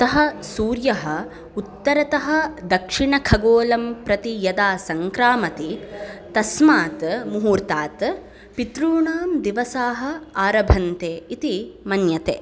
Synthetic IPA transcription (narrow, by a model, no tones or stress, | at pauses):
t̪ɐɦɐ̆suːɾjɐɦɐ̆ | ut̪ːɐɾɐt̪ɐɦɐ̆d̪ɐkʂiɳɐkʰɐɡoːlɐmpɾɐt̪ijɐd̪aːsɐŋkɾaːmɐt̪it̪ɐsmaːt̪muɦuːɾt̪aːt̪ | pit̪ɾuːɳaːmd̪iʋɐsaːɦɐ̆aːɾɐbʱɐnt̪eːit̪imɐnjɐt̪ḛː